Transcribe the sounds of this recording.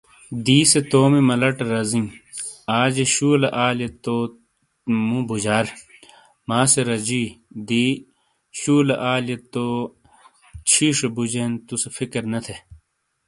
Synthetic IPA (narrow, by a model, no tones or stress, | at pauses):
d̪iːset̪oːmimɐlɐʈɐɾɐziŋ | aːd͡ʑeɕuːleʔaːljet̪oː | mũbud͡ʑaːɾ | maːseɾɐd͡ʑiːd̪iː | ɕuːleʔaːljet̪oː | t͡ɕʰiːʂebud͡ʑent̪usefikɐɾnɐt̪ʰe